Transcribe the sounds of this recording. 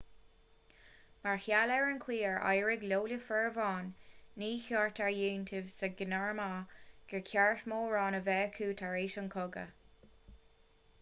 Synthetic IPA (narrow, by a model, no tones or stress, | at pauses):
maɹhjalɛɹənkʰwiːəɹa̰jɹɪɡloːləfɛɹvɑːnːiːçɔːɹtʰaɹjuːntʰɪvsəɡɪnaɹmaɡ̥ɛɹkʰjaɹtmoːɹɑːnəvɛːkʰuːt̪ʰaɹeːʃənkʰʊɡə̰